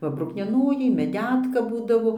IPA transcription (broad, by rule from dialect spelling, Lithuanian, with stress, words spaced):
ˈʋɐ brʊknʲiɛˈnoːjɛɪ mʲɛˈdʲæːtkɐ ˈbuːdɐʋoː